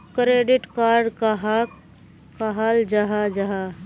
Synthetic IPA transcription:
kɾeːɖɪʈkaɾɖkɦ | kaɦald͡ʒaɦad͡ʒaɦa

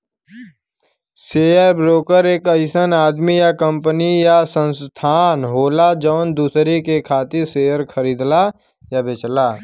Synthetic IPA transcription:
seːəɾbɾoːkəɾeːkəɪsənaːd̪mijakə̃mpənijasə̃nst̪ʰaːnɦoːlad͡ʒɔːnd̪uːsɾekekʰaːt̪ɪɾseːəɾkʰəɾiːd̪la | jabet͡ʃlaː

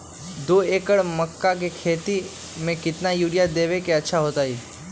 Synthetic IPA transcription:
d̪oːeːkəɽməkːak̬ekʰeːt̪i | mẽkɪt̪najuːɽijad̪eːʋekeətːʃʰaɦoːt̪aɦiː

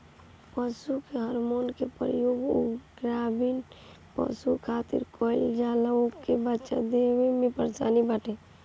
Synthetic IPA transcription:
pəsukeɦəɾmonkepɾə̰joɡo̰ɡɾabin | pə̰sukʰat̪ḭɾkoɪld͡ʒaləokːebətːʃa̰d̪eʋemẽpəɾt͡ʃa̰nibaʈe

